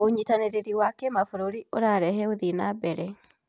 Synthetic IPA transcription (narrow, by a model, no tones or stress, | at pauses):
oɲitaneɾeɾiwakɛmafuɾoɾioɾaːɾɛhɛoðinabɛɾɛ